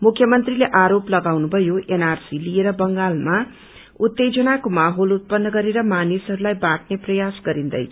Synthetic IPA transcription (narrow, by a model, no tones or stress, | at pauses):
mukʰjʌmʌnt̪rileʔaɾoplʌɡawnubʱʌjoʔenarsilieɾʌbʌŋɡalma | ut̪ːed͡zʌnakomaɦolut̪̚pʌnːʌɡʌɾeɾʌmanisɦʌɾulajbaʈneprʌjasɡʌɾind̪ʌ̰jt͡sʰ